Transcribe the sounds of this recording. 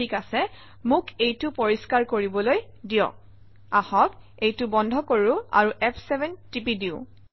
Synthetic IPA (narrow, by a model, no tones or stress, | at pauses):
ikasɛ | mʊkejtʊpoɹiskaɹkoɹibɔloj | dijɔ̰k̚ | ahɔk | ejtʊbɔndʱɔkoɹʊa̰ɹuʔɛpʰsɛbʱɛntipidiʊ̃